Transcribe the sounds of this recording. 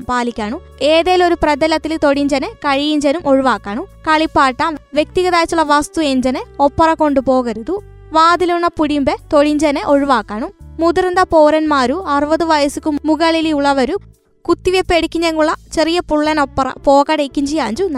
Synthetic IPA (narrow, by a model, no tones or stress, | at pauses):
mpaːlikʲːaːɳu | eːðejlo̞ɾuprɐd̪ɐlɐt̪ːilt̪o̞ɽiɲd͡ʑɐnekɐɻijiɲd͡ʑɐnumʔo̞ɻuʋaːkːaːɳukɐɭipːaːʈːaːmʋje̞k̚t̪iɣɐðaːjt͡ɕːuɭːɐʋɐst̪ueɲd͡ʑɐneopːɐrɐko̞ɳɖupo̞ːɣɐɾuðu | ʋaːd̪ilunːɐpuɽimbet̪o̞ɻiɲd͡ʑɐneʔo̞ɻuʋaːkːaːɳumud̪urɐnd̪ɐpoːɾɐnmaːɾuɐrɨʋɐðuʋɐjɐsukʲːumuɣɐɭiliuɭːɐʋɐɾu | kut̪ːiʋepːeɽikʲːiɲːɐŋːuɭːɐt͡ɕerijɐpuɭːɐnopːɐrɐ̰po̞ːkɐɽejkʲːiɲd͡ʑijaːɲd͡ʑunɐ